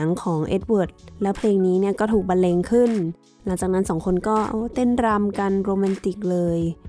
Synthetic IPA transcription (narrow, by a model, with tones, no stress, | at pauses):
əŋkʰɔː˩˦ŋʔḛ˦˥t̪̚wu˨˩t̪̚lɛː˦˥wpʰleː˧ŋniː˦˥ni˥˩ɐkɔː˥˩t̪ʰuː˨˩k̚ba˧nleː˧ŋkʰɯ˥˩n | la˩˦ŋt͡ɕaː˨˩na˦˥nsɔː˩˦ŋkʰo˧nkɔː˥˩ʔa˧t̪e˥˩nɾa˧mka˧nɾoː˧ma˧nt̪i˨˩k̚lɤː˧j